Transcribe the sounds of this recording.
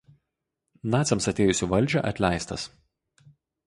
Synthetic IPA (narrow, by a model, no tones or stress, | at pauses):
nɑːt̪sʲɛmsɐt̪ʲeːjʊsʲuːʋɐlʲˑd͡ʒʲɛˑʔɐt̪ʲlʲæˑɪst̪ɐs